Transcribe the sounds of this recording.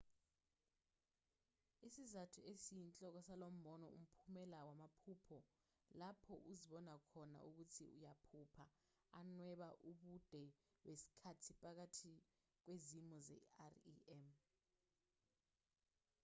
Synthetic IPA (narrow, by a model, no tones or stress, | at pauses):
isizatʰuesiint͡ɬʼɔk̬ɔsalom̩bɔnɔ̰ṵm̩pʰumɛlawamapʰupʰɔ | lapʰɔʔuziɓɔnakʰɔna̰ʔuk̬utʰḭṵjapʰupʰa | anwɛɓaʔuɓud̥ʱɛ | wesi̥kʰatʰipʼak̬atʰi | k̬wezimɔzɛ̰arḭɛm